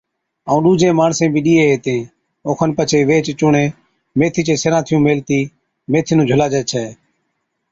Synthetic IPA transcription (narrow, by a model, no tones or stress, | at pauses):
əːũːɗuːd͡ʒʱẽːmaːɳsẽːbʱiːɗiːeːɦeːt̪ẽː | oːkʰənpət͡ʃʰeːʋeːt͡ʃt͡ʃʊɳẽː | meːt̪ʰiːt͡ʃẽːseɾãːt̪ʰɪjũːmeːlt̪iː | meːt̪ʰinũːd͡ʒʱəlaːd͡ʒɛːt͡ʃʰɛː